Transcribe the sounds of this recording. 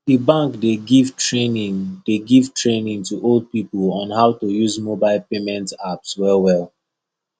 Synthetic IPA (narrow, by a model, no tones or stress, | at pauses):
dibãŋkdeɡivtɹenĩŋdeɡiv̥tʰɹẽnĩŋtuʔolˠd̚pipəlɔ̃nhaʊtujuzmobaɪlˠpemɛ̃ntapswɛlwɛlˠ